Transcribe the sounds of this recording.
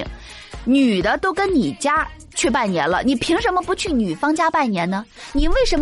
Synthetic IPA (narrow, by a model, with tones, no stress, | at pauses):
ŋ | ny˨˩d̪ə˦t̪o˥ʊkə˥nni˨˩t͡ɕja˥ | t͡ɕʰy˥˧pa˥˩nnjɛ̰˧˥nlə̰˧ni˨˩pʰi˧˥ŋʂə˧˥nmə˧pu˧˥t͡ɕʰy˥˩ny˨˩fɑ˥ŋt͡ɕja˥pa˥˩nnjɛ˧˥nnə˧ni˨˩nwe˥˩ɪʂə˧˥nm